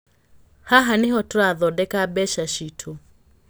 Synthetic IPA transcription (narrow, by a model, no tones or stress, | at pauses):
haɦaniɦɔtɔaðɔɗɛkabɛʃaʃitʰu